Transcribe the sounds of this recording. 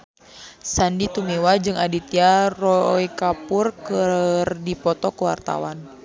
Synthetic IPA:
sandit̪umewad͡ʒɨŋadit̪iarɔikapurkərdipɔt̪ɔkəwa̰rt̪a̰wan

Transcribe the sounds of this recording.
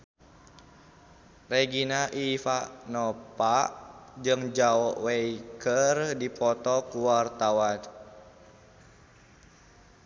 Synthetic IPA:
reɡinaʔifaʔnɔpaʔd͡ʒɨŋd͡ʒaɔʔwɛikərdipɔt̪ɔkuwart̪awan

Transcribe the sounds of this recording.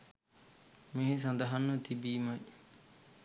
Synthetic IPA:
miɦes̬ɐnd̪ɐɦɐnːɐt̪ibiːmɐj

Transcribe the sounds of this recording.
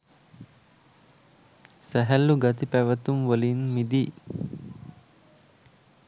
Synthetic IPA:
sæɦælːuɡat̪ipæʋət̪umʋəlinmid̪i

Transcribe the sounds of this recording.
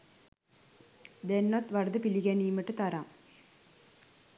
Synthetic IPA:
d̪enːɐt̪ʋɐɾd̪ɨpiliɣeniːmɐʈːɨt̪ɐɾam

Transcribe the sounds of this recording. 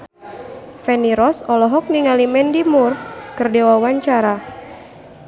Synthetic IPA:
fɛniɾɔsɔlɔɦɔk̚niŋalimɛndimurkɨrdewawaɲt͡ʃaɾa

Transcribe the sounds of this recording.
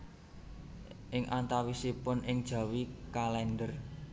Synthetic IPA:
ʔɪŋʔant̪awisipʊnɪŋd̥ʒ̥ä̤wikalɛnɖər

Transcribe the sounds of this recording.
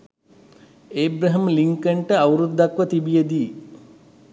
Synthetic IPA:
eːbɾɐɦəmliŋkəɳʈəawɾud̪ʱːɐkʋət̪ibijed̪iː

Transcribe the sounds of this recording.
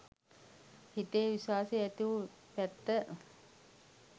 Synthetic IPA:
hit̪eːʋisaːseæt̪iʋu | pæt̪ːə

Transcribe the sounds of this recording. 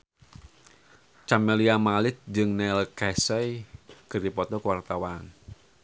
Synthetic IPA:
t͡ʃameliamalɪt̪̚d͡ʒɨŋnɛlkɛsɛjkɨrdipɔt̪ɔkwart̪awan

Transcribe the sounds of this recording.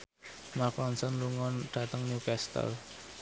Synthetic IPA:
makɔnsɔnluŋɔnɖ̥a̤t̪əŋnjukɛst̪ə̰l

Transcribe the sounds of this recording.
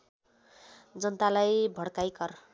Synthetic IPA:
d͡zʌnt̪alajbʱʌɽkajkʌr

